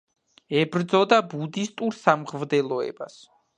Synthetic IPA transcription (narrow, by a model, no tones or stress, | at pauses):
ɛbɾd̪zɔd̪abud̪ist̪ʼuɾsamʁvd̪ɛlˠɔɛ̰bas